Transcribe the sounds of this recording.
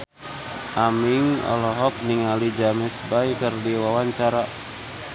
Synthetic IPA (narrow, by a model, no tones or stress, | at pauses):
ʔamiŋɔ̰lɔɦɔk̚niŋalid͡ʒamɛsbajkərdiwawaɲt͡ʃaɾa